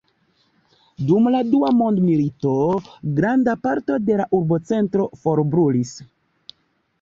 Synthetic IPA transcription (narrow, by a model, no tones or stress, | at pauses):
dumladuamo̞ndmilito̞ɡɾandapaɾto̞de̞laʔuɾbo̞t͡se̞ntɾo̞fo̞ɾbɾulis